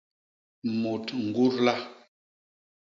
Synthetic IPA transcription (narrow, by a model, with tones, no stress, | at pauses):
mu˨tŋ̩˨ɡu˦ɾla˦